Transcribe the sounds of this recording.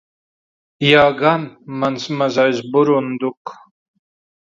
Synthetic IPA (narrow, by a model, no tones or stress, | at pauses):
jaːɡanmansmazajzbuɾund̪uk